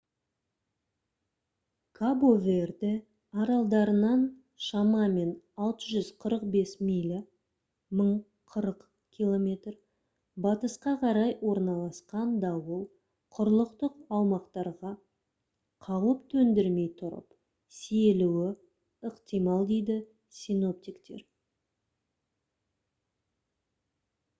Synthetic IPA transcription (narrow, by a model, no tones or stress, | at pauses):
kʰabovʲerd̪ɪ | ɑɾɑlˠd̪ɑɾənɑn | ʃɑmɑme̞n | ɑlˠt̪əʒʏzqʰəɾəqbe̞smijlʲ | məɴ | qʰəɾəq | kʲʰilˠo̞mʲe̞t̪r | bɑt̪əsqɑqʰɑɾɑjwo̞ɾnɑlˠɑsqɑnd̪ɑwəlˠ | qʰʊɾlˠəqt̪əqɑwmɑqt̪ɑɾʁɑ | qʰɑwəpt̪ʰɵnd̪ɪɾme̞jt̪ʰʊɾə̰p | sieluwɪ | əqt̪ijmɑlˠd̪e̞jd̪ɪ | sino̞p̚t̪ikt̪e̞̰ɾ